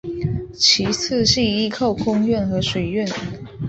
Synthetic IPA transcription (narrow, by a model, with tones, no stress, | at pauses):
t͡ɕʰi˧˥t͡sʰɹ̩˥˧ɕi˥˩i˥kʰo˥˨ʊkʰʊ˥ŋɥɛ˥˨nxɤ˧˥ʂwe˨˩ɪɥɛ˥˨n